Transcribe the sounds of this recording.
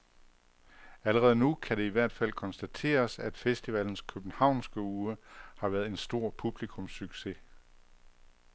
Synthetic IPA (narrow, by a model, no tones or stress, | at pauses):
æləʁɛð̞̩ˠnukʰæɾe̝iʋæɐ̰d̥fæl̰kʰɒ̽nsd̥æt͡sʰe̝̰ːɐsæd̥fesd̥iʋæln̩skʰøb̥n̩hɑ̈ʊ̰nsɡ̥əuːəhɑ̈ʋæɐð̩ˠe̝nsd̥o̝ɐ̰pʰub̥likʰɔ̽msyɡ̥se̝